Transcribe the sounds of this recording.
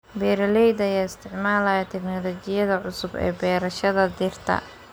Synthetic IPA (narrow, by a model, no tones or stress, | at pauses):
bɛːɾɐlɛjd̪ɐjaːɪst̪ʰɪʕmaːlɐjɐt̪ʰɛknɔlɔt͡ʃɪjɐðɐʕʊsʊbɛ̰ːbɛːɾɐʃɐðɐd̪ɪrt̪ʰɐ̰